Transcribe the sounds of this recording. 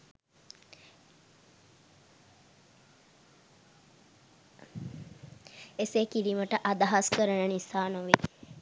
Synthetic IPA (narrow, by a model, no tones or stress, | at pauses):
esekiliməʈəʔad̪aɦaskəɾənənisaːnoʋi